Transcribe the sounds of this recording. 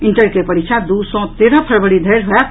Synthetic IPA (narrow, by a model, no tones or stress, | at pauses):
iɳʈəɾkepəɾikt͡ʃʰad̪usɔ̃t̪eɾə̃pʰəɾbəɽid̪ʱəjɾɦoɛk